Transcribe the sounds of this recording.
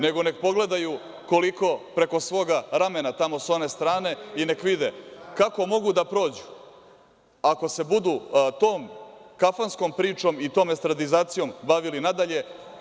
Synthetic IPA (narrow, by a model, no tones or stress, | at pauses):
ne̞ɡo̞ne̞k̚po̞ɡle̞d̪aju | ko̞liko̞pɾe̞ko̞sʋo̞ːɡaɾame̞nat̪amo̞so̞ne̞st̪ɾaːne̞ine̞kʋid̪ekako̞mo̞ɡud̪apɾo̞ːd͡ʑu̥ | ako̞se̞bud̪ut̪oːmkafansko̞mpɾiːt͡ʃo̞mit̪o̞ːmest̪ɾad̪izaːt̪sijo̞mbaʋilinad̪aʎe̞